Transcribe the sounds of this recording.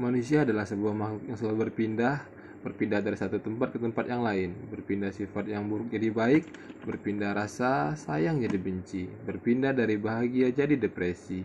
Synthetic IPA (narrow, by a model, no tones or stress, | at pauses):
manusiaːdalahsəbuahmajaŋsəbaubərpindah | b̥ərpindahdaɾisat̪ut̪əmpat̪̚kət̪əmpat̪jaŋlaɪnbərpindahsifat̪̚jaŋbuɾʊk̚d͡ʒadibaɪk̚ | bərpindahɾasasajaŋd͡ʒadibəɲt͡ʃibərpindahdaɾibaɦaɡiad͡ʒadidepɾesi